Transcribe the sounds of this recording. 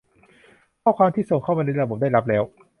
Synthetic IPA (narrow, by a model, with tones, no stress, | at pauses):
kʰɔː˥˩kʰwaː˧mt̪ʰiː˥˩so˨˩˦ŋkʰa˥˩wma˧na˧jɾa˧bo˨˩˦daː˥˩ɾa˦˥p̬̚lɛː˦˥w